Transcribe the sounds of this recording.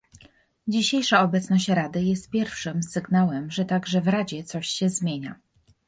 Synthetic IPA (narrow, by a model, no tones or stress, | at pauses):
d͡ʑiɕejʂaɔbɛt̪snɔɕt͡ɕɾad̪ɘjɛst̪̚pʲjɛɾfʂɘmsɘɡnawɛmʐɛt̪aɡʐɛvɾad͡ʑɛt̪sɔɕɕɛzmʲjeɲa